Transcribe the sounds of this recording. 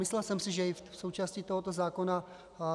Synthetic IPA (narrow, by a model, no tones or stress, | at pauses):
mɪslɛlsɛmsɪʒɛɪfso̞wt͡ʃaːscit̪oɦot̪o̞zaːko̞na